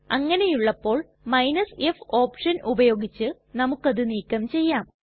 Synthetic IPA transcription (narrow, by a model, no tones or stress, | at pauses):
ɐŋːɐne̞juɭːɐpːo̞ːɭ | mɐjnɐsefo̞ːpʂɐnʔubɐjo̞ːɡit͡ɕːɨ | nɐmukːɐðɨniːkːɐmt͡ɕe̞jːaːm